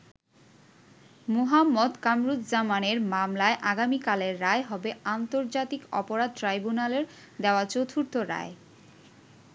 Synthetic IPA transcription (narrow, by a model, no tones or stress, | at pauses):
moɦamːod̪kamɾut̪d͡ʑamaneɾmamlaeʔaɡamikaleɾːaeɦɔbeant̪oɾd͡ʑat̪ikɔ̰poɾad̪̚tɾajbunaleɾ | d̪eoat͡ɕot̪ʰuɾt̪oɾa̰e